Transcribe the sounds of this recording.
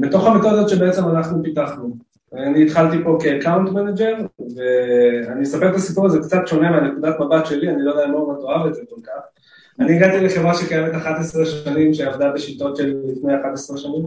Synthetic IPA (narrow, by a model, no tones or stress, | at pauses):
bet̪o̞χamit̪odazot̪ʃebeet͡se̞manaχnupit̪aχnu | aniːt̪χalt̪ipo̞keːkawnt̪mened͡ʒe̞ʁve̞animesapeʁt̪asipuʁazekt͡sat̪ʃo̞nemeanekud̪atmabat̪ʃe̞lianilod̪ejamomat̪oavet̪zeko̞lkaχ | aniaɡat̪ileχe̞vʁaʃekajemet̪aχat̪esʁeʃanimʃeavd̪abeʃit̪o̞tʃelilifnejaχat̪esʁeʃanim